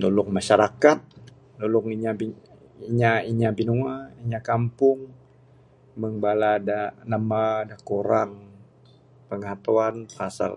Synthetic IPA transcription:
dolʊŋmaʃaɾakat̪̚ | dolʊŋiɲabi | iɲaiɲabinuaiɲakampʊŋ | məŋbaladanamadakuɾaŋ | pəŋat̪uanfasa̰l

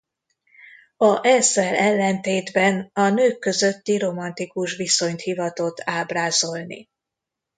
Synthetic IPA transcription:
ɒʔɛsɛlɛlːɛnt̪eːd̪bɛnɒnøːkːø̞zø̞t̪ːiɾo̞mɒnt̪ikuʃʋiso̞ɲt̪hivɒt̪o̞t̪aːbraːzo̞lnḭ

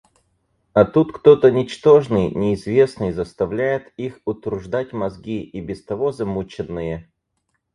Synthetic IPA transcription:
ɐt̪ut̪kt̪o̞t̪ənʲɪt͡ɕt̪o̞ʐnɨjnʲɪːzvʲe̞snɨjzəst̪ɐvlʲæjɪt̪ixʊt̪ɾʊʐd̪atʲmɐzɡʲiibʲɪst̪ɐvo̞zɐmut͡ɕɪnːɨjə

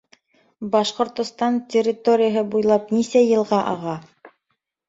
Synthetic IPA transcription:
bɑʃqŏɾt̪ŏst̪ɑntʲɪrʲːɪt̪oɾʲɪjəɦɤbujlˠɑp̚nisæjɤ̆lˠʁɑʔɑ̰ʁɑ

